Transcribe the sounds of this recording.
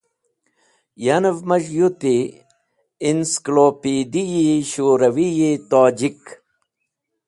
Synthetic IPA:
janevmɐʃjut̪i | inskloːpiːd̪ijiɕoːɾɐwijit̪aːd͡ʑik

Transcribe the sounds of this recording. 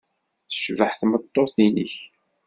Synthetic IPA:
θə̥ʃvəħθmət̪ˤːoθinəç

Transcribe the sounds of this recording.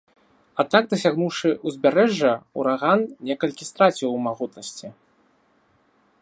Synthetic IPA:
ad̪̚naɡ̚d̪ɐs̬ʲaɣnuwʂɨʔuzʲbʲaɾɛʐːɐuɾaɣannʲɛkɐlʲkʲist̪ɾat͡sʲiwmaɣut̪nɐsʲt͡sʲi

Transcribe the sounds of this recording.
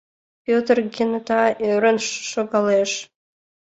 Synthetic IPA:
pʲøt̪ərɡʲent̪ɑøɾənʃʃoɡɑleʃ

